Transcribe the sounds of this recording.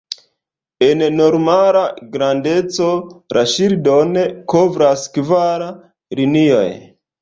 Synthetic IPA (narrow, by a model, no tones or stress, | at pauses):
e̞nno̞ɾmalaɡɾande̞t͡so̞ɾʔaʃiɾdo̞neko̞vɾaskivaɾa | linio̞̰j